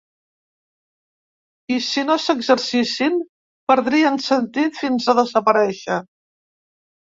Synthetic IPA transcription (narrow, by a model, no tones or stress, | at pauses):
isinosəɡzəɾsisim | pəɾðɾiənsənt̪it̪finzəðəzəpəɾɛʃə